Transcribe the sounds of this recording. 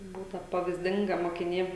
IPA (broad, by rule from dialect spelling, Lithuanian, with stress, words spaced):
ˈbuːtɐ pɐʋʲiːzʲˈdʲɪŋɡɐ moːkʲɪˈnʲeː